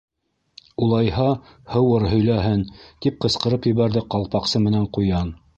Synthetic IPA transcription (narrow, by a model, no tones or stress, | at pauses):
ulˠɑjhɑ | hɤ̆wɤɾɦɵ̆jlæɦɘnt̪ip̚qɤ̆sqɤ̆ɾɤpjɵ̆βæɾðɘqɑlˠpɑqsɤmɘ̆næɴqujɑn